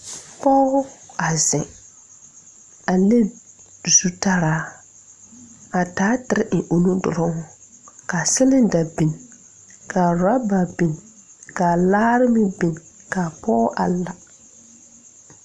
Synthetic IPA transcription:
pɔ˦ɣʊ˦a˨zɪ˨ | a˨le˦ | zu˦ta˦ɾaː˦ | a˨taː˦tɪ˨ɾɪ˦ʔɪ˨ʔo˨nu˦dʊ̰˨lʊ˦ŋʊ˦ka˨sɪ˦lɪ˦n˦da˨bi˨n | kʰa˨ɾa˦ba˨bi˨n | ka˨laː˦ɾɪ˦mɪ˦bi˨n | ka˨pɔː˦ʔa˨la˨

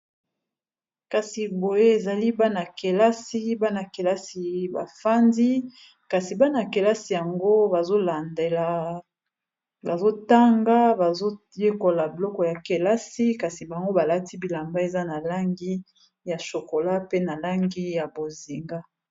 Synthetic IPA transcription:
ka˨si˨bo˨je˦e˨za˨li˦ba˦na˨ke˨la˦si˦ba˦na˨ke˨la˦si˨ba̰˨fa˦ndi˦ | ka˨si˨ba˦na˨ke˨la˦si˨ja˨ŋɡo˦ba˨zo˦la˨nde˨la˨ | ba˨zo˦ta˦ŋɡa˦ba˨zo˦ | je˦ko˨la˨bi˨lɔ˦kɔ˨ja˨ke˨la˦si˦ka˨si˨ba˨ŋɡo˦ba˨la˦ti˦bi˨la˨mba˦e˨za˦na˨la˦ŋɡi˦ | ja˨ʃo˨ko˨la˦pe˦na˨la˦ŋɡi˦ja˨bo˨zi˨ŋɡa˦

